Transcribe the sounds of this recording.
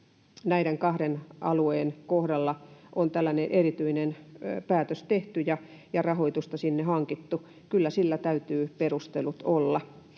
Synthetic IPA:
næiɾeŋkɑhɾenʔɑ̰lueːnkohdɑlːɑʔont̪ælːæneʔerit̪yinenpæːt̪øst̪eht̪yjɑ | jɑrɑhoit̪ust̪ɑsinːehɑŋkit̪ːu | kylːæsilːæt̪æyt̪yːperust̪elut̪olːɑ

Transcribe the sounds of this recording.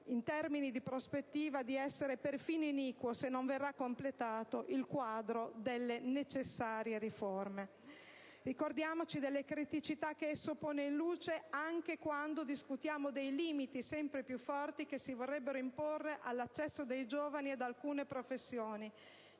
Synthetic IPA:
int̪ɛrminid̪ipɾospet̪ːiːvad̪iɛsːeɾeperfiːnoiniːkwosenːoɱverːakːomplet̪aːt̪oʔilkwaːd̪ɾod̪elːenet͡ʃesːaːɾjeɾiforme | rikord̪jaːmot͡ʃid̪elːekɾit̪it͡ʃit̪akːeɛsːopoːneinluːt͡ʃeaŋk̟ekwand̪od̪iskut̪jaːmod̪ejliːmit̪isɛmpɾepjufːɔrt̪ikesivorːɛbːeɾoimporːeʔalːat͡ʃːɛsːod̪ejd͡ʒoːvanied̪alkuːnepɾofesːjoːni

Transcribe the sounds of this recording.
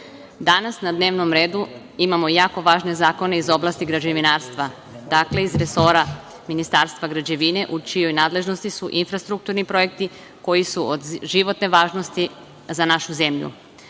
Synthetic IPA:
d̪anasnad̪neːʋno̞mɾe̞ːd̪u | imamo̞jaːko̞ʋaːʒne̞zaːko̞ne̞izo̞blˠast̪iɡɾad͡ʑeʋinaːɾst̪ʋa | d̪akle̞izɾe̞so̞ɾa | minist̪aːɾst̪ʋaɡɾad͡ʑe̞ʋine̞ʔut͡ʃijo̞jnaːd̪le̞ʒno̞st̪isuʔinfɾast̪ɾuk̚t̪uɾnipɾo̞je̞k̚t̪i | ko̞jisuod̪ʒiʋo̞t̪ne̞ʋaːʒno̞st̪i | zanaʃuze̞mʎṵ

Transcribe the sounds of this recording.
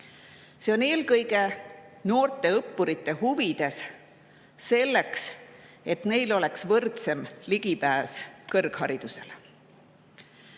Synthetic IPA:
se̞o̞ne̞ːlkɤjɡe̞no̞ːrt̪ˑe̞ɤpːuɾit̪ːe̞huvid̪̥e̞sː | e̞lːe̞ks | e̞t̪ne̞jlo̞leksvɤrt̪semliɡ̥ipæːskɤrɡ̥hɑɾid̪̥use̞̰l

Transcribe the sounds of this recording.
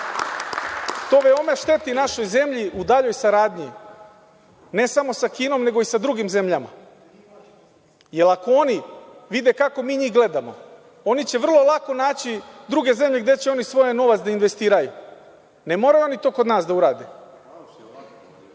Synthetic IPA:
t̪o̞ːʋeo̞me̞ʃt̪e̞t̪inaʃo̞jze̞mʎiud̪aʎo̞jsaɾaːd̪ɲi | ne̞samo̞sakiːno̞mne̞ɡo̞isad̪ɾuɡimze̞mʎama̰ | je̞lakooniʋid̪ekako̞miːɲiːɡle̞d̪amo̞̰ | o̞nit͡ɕe̞ʋr̩lˠo̞lˠako̞naːt͡ɕid̪ɾuɡe̞ze̞mʎe̞ɡd̪e̞t͡ɕeo̞nisʋo̞jeno̞ʋat̪d̪ainʋe̞st̪iːɾaju | ne̞mo̞ɾajuonit̪o̞ːko̞d̪naːsd̪auɾa̰ːd̪e

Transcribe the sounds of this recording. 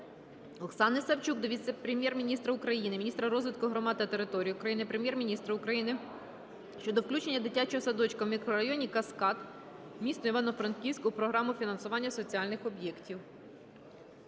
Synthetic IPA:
ɔksɑnɪsɐwt͡ʃukd̪ɔʋʲit̪sepɾʲemʲjɛrmʲinʲist̪ɾɐʊkɾɐjinɪmʲinʲist̪ɾɐɾɔzʋɪt̪kʊɦɾɔmɑd̪t̪ɐt̪eɾɪt̪ɔɾʲijiukɾɐjinɪpɾemʲjɛrmʲinʲist̪ɾɐʊkɾɐjinɪ | ʃt͡ʃɔd̪ɔwklʲut͡ʃe̞nʲːɐd̪ɪtʲat͡ʃɔɦɔsɐd̪ɔt͡ʃkɐwmʲikɾɔɾɐjɔnʲikɐskɑt̪ | mʲisnɔiʋɑnɔfɾɐnkʲiwʲsʲkʊpɾɔɦɾɑmʊfʲinɐnsʊʋɑnʲːɐsɔt͡sʲiɑlʲnɪxɔbʲjɛktʲiw

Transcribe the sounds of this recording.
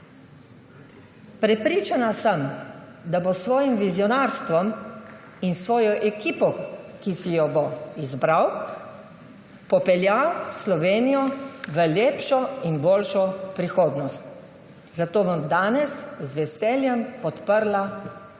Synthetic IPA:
pɾɛpɾiːt͡ʃanasəmd̪abosʋɔːjimʋizjɔnaːɾst̪ʋɔm | insʋɔːjɔʔɛkiːpɔkisijɔboizbɾaw | pɔpɛljawslɔʋeːnijɔʋəljeːpʃɔinboːlʃɔpɾixoːd̪nɔst̪ | zat̪oːbɔmd̪aːnɛszʋɛseːljɛmpɔt̪pəɾla

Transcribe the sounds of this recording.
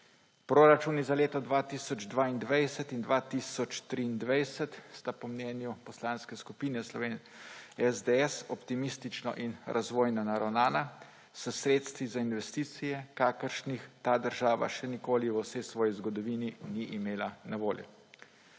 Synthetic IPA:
pɾoɾat͡ʃuːnizaleːt̪ɔd̪ʋaːt̪isɔd͡ʒd̪ʋaːind̪ʋajsət̪ind̪ʋaːt̪isɔt͡ʃt̪ɾiːnd̪ʋajsət̪st̪apɔmnɛːnjupɔslaːnskɛskupiːnɛslɔʋeːn | ɛzd̪eɛsɔpt̪imist̪it͡ʃnɔ̰ʔinɾʔazʋoːjnɔnaɾawnaːna | səsɾeːt̪st̪ʋizainʋɛst̪iːt̪sijɛkaːkəɾʃnixt̪aːd̪əɾʒaːʋa̰ʃɛnikoːliʋəwsɛjsʋɔːjizɡɔd̪ɔʋiːniniʔimeːlanaʋoːljɛ̰

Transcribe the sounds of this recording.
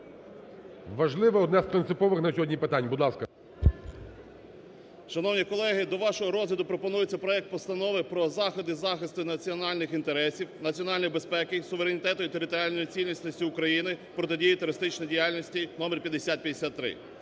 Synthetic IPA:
ʋɐʒlˠɪʋɛɔd̪nɛspɾɪnsɪpɔʋɪxnɐsʲɔɦɔdʲnʲipɪt̪anʲbud̪lˠɑskɐ | ʃɐnɔwnʲikɔlˠɛɦɪd̪ɔʋɑʃɔɦɔɾɔzlʲɐd̪ʊpɾɔpɔnujet͡sʲːɐpɾɔjɛk̚t̪̚pɔst̪ɐnɔʋɪpɾɔzɑxɔd̪ɪzɑxɪst̪ɪnɐt͡sʲiɔnɑlʲnɪxint̪eɾɛsʲiwnɐt͡sʲiɔnɑlʲnɔjbespɛkɪsʊʋeɾenʲit̪ɛt̪ʊit̪eɾɪt̪ɔɾʲɪalʲnɔjit͡sʲilʲnʲisʲnʲɔsʲtʲiʊkɾɐjinɪpɾɔt̪ɪdʲijit̪ʊɾɪst̪ɪt͡ʃnɔjdʲijalʲnʲisʲtʲinɔmɛrpʲjɐd̪esʲat̪̚pʲjɐd̪esʲat̪ːɾɪ̰

